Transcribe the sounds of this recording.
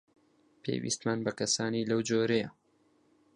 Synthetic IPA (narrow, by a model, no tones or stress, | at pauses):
pʰḛjwḭːst̪manbɐkɐsaːniːlɐwd͡ʒoːɾɛjɐ